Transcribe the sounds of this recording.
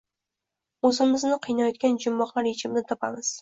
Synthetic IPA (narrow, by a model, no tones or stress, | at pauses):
ɵzɪmɪznɪqʰɨjnajɒt̪̚kʲand͡ʒʊmːɒqlˠaɾet͡ʃʰɪmnɪt̪ʰɒpʰamɪz̥